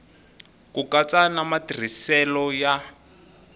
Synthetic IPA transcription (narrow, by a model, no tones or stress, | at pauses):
kukat͡sanamatir̤isɛlɔja